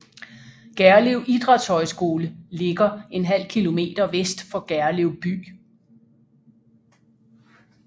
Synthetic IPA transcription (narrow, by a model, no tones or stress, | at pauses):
ɡ̥æɐleʊʔid̥ʁɑ̥̈t͡sʰɒ̽ɪsɡ̥o̝ːləle̝ɡ̥ɐe̝nɦæl̰kʰilo̝me̝̰ːd̥ɐʋesd̥fɒ̽ɡ̥æɐleʊb̥y̰ː